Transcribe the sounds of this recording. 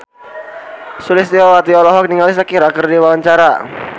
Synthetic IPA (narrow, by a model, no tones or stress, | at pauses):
sulɪst̪iɔwat̪iɔlɔɦɔk̚niŋalis̬əkiɾakərdiwawaɲt͡ʃaɾa